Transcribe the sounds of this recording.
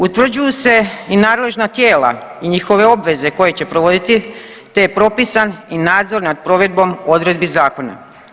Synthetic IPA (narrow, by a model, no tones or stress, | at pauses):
ut̪ʋr̩d͡ʑujuse̞inaːd̪le̞ʒnat̪je̞ːla̰iɲixo̞ʋe̞o̞bʋe̞ze̞ko̞je̞t͡ɕe̞pɾo̞ʋo̞d̪it̪i | t̪e̞jepɾo̞pisaninaːd̪zo̞ɾnad̪̚pɾo̞ʋe̞d̪̚bo̞mo̞d̪ɾe̞d̪̚bizaːko̞na̰